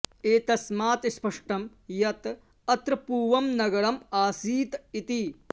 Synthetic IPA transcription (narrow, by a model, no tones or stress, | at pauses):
eːt̪ɐsmaːt̪spɐʂʈɐm | jɐt̪ | ɐt̪ɾɐpuːʋɐmnɐɡɐɾɐmaːsiːt̪it̪i